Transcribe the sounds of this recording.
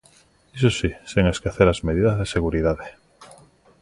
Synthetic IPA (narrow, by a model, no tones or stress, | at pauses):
isosiseŋeskaθeɾazmeð̞iðazðeseɣ̞uɾiðaðe